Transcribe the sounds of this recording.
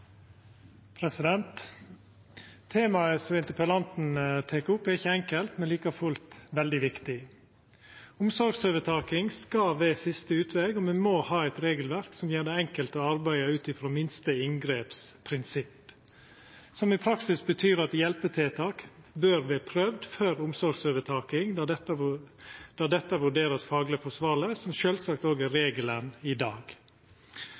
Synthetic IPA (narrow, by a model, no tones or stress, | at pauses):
pʰɾɛsɪd̪ɛnt̪ | eːmɑəsɔmɪnt̪ɪpəlɑnt̪n̩t̪ʰeːkʊpːæɾɪçəɛŋkəlt̪mɛnliːkɑfʉlt̪ʋɛld̪ɪʋɪkt̪ɪ | ʊmsɔɾɡsøːʋət̪ʰɑːkɪŋskɑʋeːsɪst̪əʉːt̪ʰʋɛɡɔːmɛmoːhɑːɛɪt̪ɾeːɡəlʋæɾksɔmjeːɖ̪ɛɛŋkəlt̪əɑɾbæɪɑʉːt̪ɪfɾoːmɪnst̪əɪŋɡɾeːpspʰɾɪnsɪpː | sɔmɪpʰɾɑksɪsbət̪ʰyːɾɑt̪jɛlpət̪ʰɛːt̪ʰɑːkbøːɾʋɛːpʰɾœʋd̪fœɾʊmsɔɾɡsøːʋət̪ʰɑːkɪŋt̪ | d̪̥ɑɖ̪ɛt̪ːəʋʉɖeːɾəsfɑːɡlɪəfɔʂʋɑːləsɔmʃøːlsɑkt̪oːɡæɾeːɡələnɪd̪ɑːɡ̥